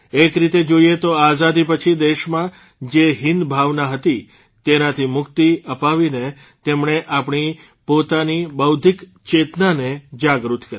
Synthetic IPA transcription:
ekɾit̪ed͡ʒoiet̪oazad̪ipət͡ʃʰid̪eʃmã | d͡ʒeɦɪnd̪bʱaʋnaɦət̪i | t̪enat̪ʰimʊkt̪iəpaʋine | t̪emɳeʔapɳ̃i | pot̪anibəwd̪ʱik | t͡ʃet̪naned͡ʒaɡɾut̪kəɾi

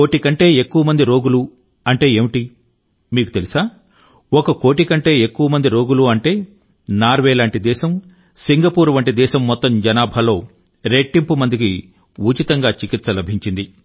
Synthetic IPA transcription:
ko̞ːʈikɐɳʈe̞ːekːuʋɐmɐnd̪iɾo̞ːɡulu | ɐɳʈe̞ːeːmiʈi | miːkut̪e̞lisaː | ɔkɐko̞ːʈikɐɳʈe̞ːekːuʋɐmɐnd̪iɾo̞ːɡuluɐɳʈe̞ː | naːɾʋeːlaːɳʈid̪ɛːʃɐm | siŋɡɐpuːɾuʋɐɳʈid̪ɛːʃɐmːɔt̪ːɐmd͡ʒɐnaːbʱɐlo̞ː | ɾe̞ʈːimpumɐnd̪ik̬i | uːt͡ʃit̪ɐŋɡaːt͡ʃikit̪sɐlɐbʱiɲt͡ʃind̪i

